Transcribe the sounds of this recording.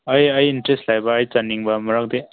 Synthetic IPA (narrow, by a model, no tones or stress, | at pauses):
ɐjɐjintɾestlajbaːjt͡ʃanːiŋbɐmɐɾak̚de